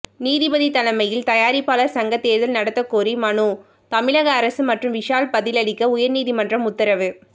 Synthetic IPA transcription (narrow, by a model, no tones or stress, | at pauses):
niːðɪbɐðit̪ɐlɐmɐjɪlt̪ɐjaːɾɪpːaːlɐɾsɐŋɡɐt̪ːeːɾðɐlnɐɽɐt̪ːɐkːoːɾimɐɳu | t̪ɐmɪlɐɣɐːɾɐsɯmɐʈrɯmʋɪʂaːlpɐðɪlɐɭɪkːɐʊjɐɾniːðimɐndrɐmʊt̪ːɐɾɐʋɯ